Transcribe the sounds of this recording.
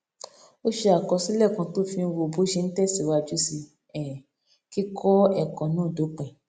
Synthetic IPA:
o˦ʃe˧a˨kɔ˧si˦lɛ˦˨kã˧to˦fĩ˧wo˧˨bo˦ʃe˧n̩˦tɛ˦˨si˨wa˧d͡ʒu˦si˧ | ɛ˨ | ki˦kʰɔ˦ɛ˦˨kɔ̃˨˦nãː˦˨do˨˦k͡pɛ̃˨

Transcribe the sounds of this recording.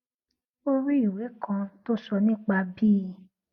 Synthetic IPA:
o˦ɾi˦i˦˨we˨˦kã˧to˦sɔ˧nĩ˦k͡pa˧bi˦˨

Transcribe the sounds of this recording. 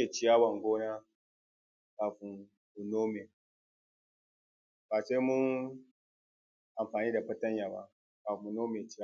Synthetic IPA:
e˨t͡ʃi˦ja˦wa˨ŋɡoː˦na˦ | ka˨ɸu˨ | u˨no˦me˨ | ba˨se˦mu˦ | ʔa˨mɸaː˨niː˦da˨ɸɐ˦ta˦ɲja˨ba̰˨ | ka˨ɸu˨no˦me˨t͡ʃi˦ja˦

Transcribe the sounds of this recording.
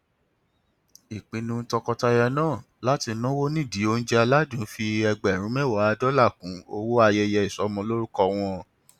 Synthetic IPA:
i˨k͡pĩ˧nũ˧˦tɔ˧kɔ˧ta˧jɛ˧nãː˦˨ | la˦ti˧nã˦wo˦nĩ˦˨di˨˦o˧n̩˦d͡ʒɛ˦a˧la˦dũ˨˦fi˧ɛ˧ɡ͡bɛ˨ɾ̃ũ˨˦mɛ˦˨wɔ˨˦a˧dɔ˦la˦˨kũ˨˦o˧wo˦a˧jɛ˧jɛ˧i˨sɔ˨˦mɔ̃˧˦lo˦ɾu˦kɔ˧w̃ɔ̃˧

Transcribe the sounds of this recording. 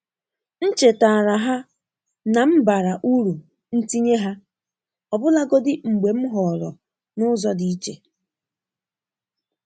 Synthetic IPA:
n̩˦t͡ʃe˨taː˨ɾa˨ɦa˦ | na˨m̩˦ba˨ɾa˨ʔu˦ɾu˨ | n̩˦ti˦ɲe˦ɦa˦ | ɔ˨bʊ˦la˦ɡɔ˦dɪ˦ŋ͡m̩˨ɡ͡be˨m̩˦ɦɔ˨ɾɔ̰˨ | nʊ˦zɔ˦di˦i˦t͡ʃe˨

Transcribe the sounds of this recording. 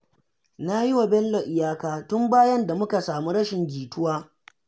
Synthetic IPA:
na˦ji˦wa˨bɛ˦llo˨ʔɪ˨jaː˦kaː˦˨tʊ˦mbaː˦jɐ˦nda˨mʊ˦ka˨saː˨mu˦ɾɐ˦ʃɪ˨ŋɡʲiː˨tʊ˦waː˦

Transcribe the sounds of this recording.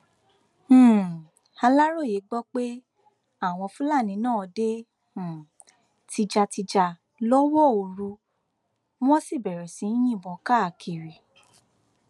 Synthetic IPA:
a˧la˦ɾo˦˨je˨˦ɡ͡bɔ˦k͡pe˦ | a˦˨w̃ɔ̃˧fũ˦la˦˨nĩ˧˦nãː˦˨ɔ˧dẽ˦˨ | tʰi˧d͡ʒa˧ti˧d͡ʒa˨˧ | lɔ˦wɔ˦˨o˧˨ɾu˧ | w̃ɔ̃˦si˦˨bɛ˨ɾɛ˨sĩ˨˧˦j̃ĩ˦˨bɔ˨˦ka˦˨kʰi˨ɾi˨

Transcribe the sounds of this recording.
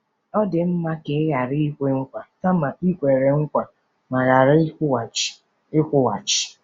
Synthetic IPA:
ɔ˦dɪ˨m̩˦ma˦ke˨˦ja˨ɾɪ˦i˦kʷe˦ŋ̩˦kʷa˨ta˦ma˨i˦kʷe˨ɾe˨ŋ̩˦kʷa˨ | ma˨ɾa˨ɾɪ˦wa˨t͡ʃɪ̥˨ | ɪ˦kʷʊ˦wa˨t͡ʃɪ̥˨

